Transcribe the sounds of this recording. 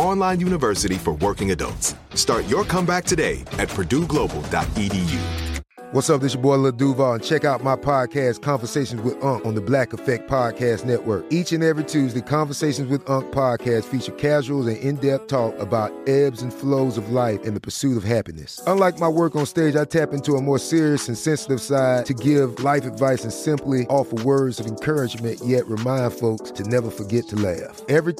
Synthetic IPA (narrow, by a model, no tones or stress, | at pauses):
ɑ̃nlãɪ̃njʉñɨvɜ˞sɨɾifə˞wɜ˞kɪ̃ŋɨdʌ̰lˠts | tɑɹt͡ʃə˞kʰʌ̃mbæk̚tʰɨdeɪɨt̚pʰədʉɡloʊbl̩ˠdɑ̰t̚idijʉ̰ | wʔʌtsʌvðɪʃəbɔɪləduvəə̃nt͡ʃʰɛkaʊt̚maɪpʰɑd̚kʰæskʰɑ̃ɱvə˞seɪʃn̩zwɨðʌ̃ŋkn̩ðəblækəfɛk̚pʰɑd̚kʰæstⁿnɛʔwɜ˞kit͡ʃɨ̃nɛvɹitʰʉzðɨkʰɑ̃ɱvə˞seɪʃn̩zwɨðʌ̃ŋk̚pʰɑd̚kʰæstfit͡ʃə˞kʰæʒwl̩ˠzɨ̃nɪ̃ndɛp̚tʰɔkəbaʊɾɛbzɨ̃n̩floʊzʌvlaɪfɨ̃nðɨpʰə˞sʉɾʌv̥ɦæpinɨ̰sʌ̃nlaɪk̚maɪwɜ˞kn̩steɪd͡ʒaɪtʰæpɪ̃ntuəmɔɹsɪɹiɨsɨ̃nsɛ̃nsəɾɨv̥saɪtʰɨɡɪvlaɪfɨdvaɪsɨ̃nsɪ̃mpliʔɔfəwɜ˞dzʌvɨ̃nkʰɜ˞ɨd͡ʒmɨ̃nʔjɛʔ̚ɹɨmãɪ̃nd̥foʊkstʰɨnɛvə˞fə˞ɡɛtʰəlæfɛvɹi